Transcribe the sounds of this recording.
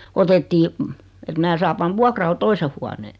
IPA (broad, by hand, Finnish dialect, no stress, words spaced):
otetːiː et mæː sɑː pɑn ʋuɑkrɑl toise huɑneː